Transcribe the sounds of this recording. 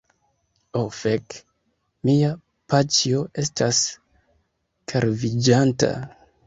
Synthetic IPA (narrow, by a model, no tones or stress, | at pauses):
ofek | mia | pat͡ʃio̞e̞stʰas | kʰaɾvid͡ʒanta̰